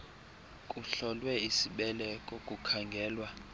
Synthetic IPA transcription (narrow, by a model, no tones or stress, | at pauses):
kʼuɬɔlwɛisiɓɛlɛkʼɔkʼukʰaŋɡʱɛːlwa